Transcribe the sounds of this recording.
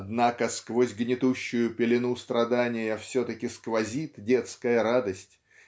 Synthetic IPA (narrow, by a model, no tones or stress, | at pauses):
d̪nakəskvozʲɡnʲɪt̪uɕːʊjʊpʲɪlʲɪnust̪ɾɐd̪anʲɪjəfsʲot̪əkʲɪskvɐzʲit̪dʲe̞t̪skəjəɾad̪əsʲtʲ